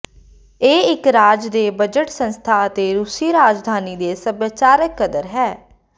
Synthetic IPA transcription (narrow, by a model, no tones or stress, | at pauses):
eːɪkɾaːd͡ʒd̪eːbəd͡ʒəʈsə̃nst̪ʰaːət̪eːɾusiːɾaːd͡ʒd̪ʱaːniːd̪eːsəbət͡ʃaːɾəkːəd̪əɾɦɛː